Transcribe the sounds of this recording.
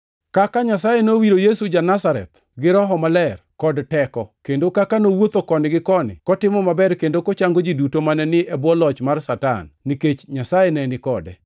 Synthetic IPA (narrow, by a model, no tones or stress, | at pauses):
kakaɲasajenowiɾojesud͡ʒanasaɾɛ̰t̪ | ɡɪɾɔɦɔmalɛrkɔdtɛkɔkendokakanowot̪okɔnɪɡɪkɔnɪ̰kɔtɪmɔmabɛrkendokot͡ʃaŋɡod͡ʒidutomanɛnɪɛbwɔlɔt͡ʃmarsata̰nːiket͡ʃɲasajenɛnɪkɔdɛ̰